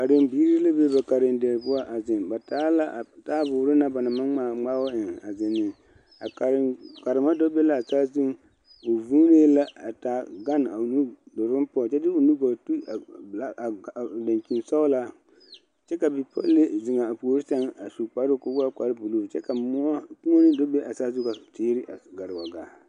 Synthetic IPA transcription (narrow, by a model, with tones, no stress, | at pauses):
ka˨dɪ˨mbiː˦ɾi˦la˦be˦ba˨ka˨ɾɪ˨ndɛ˨ɾbʊ˦a˦ʔa˨zɪ˨nba˨taː˦la˦˨ta˦bʊː˨ɾɪ˦na˦ba˨na˨ma˦a˨ŋ͡ma˦wa˦ɪ˨ŋa˨zɪ˨nːɪ˨ | a˨ka˨ɾka˨ɾɪ˨ma˦dɔ˦be˦la˦a˨ta˦zɪ˦ŋ | o˨vu˦ne˦la˦a̰˨ta˨˦ɡa˦n˨a̰˨nu˦dʊ˨ɾɪ˦pɔ˦˨t͡ʃɛ˦dɪ˦o˨nu˦ɡo˨tu˦˨la˦˨da˨ŋki˨nsa˦ʊ˦la˦ | t͡ʃɛ˦ka˨bɪ˨pɔ̰˦le˦zɪ˨ŋa˨a˨po˨ɾi˦sa˦ŋa˨su˨k͡pa˦ɾʊ˦ko˦ba˦ka˨ɾbu˨lo˦˨t͡ʃɛ˦ka˨m˦a˦ku˦ŋo˦nɪ˦do˦be˦ʔa˨sa˦zu˦ka˨tʰeː˦ɾɪ˦ʔa˨ɡa˨ɾɪ˨wa˨ɡa˨